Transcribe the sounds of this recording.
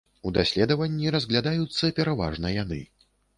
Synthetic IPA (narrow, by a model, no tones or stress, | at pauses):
ud̪asʲlʲɛd̪ɐvɐnʲːiɾɐzɣlʲad̪ajut̪sːɐpʲɛɾava̰ʐnɐjan̪ɨ̰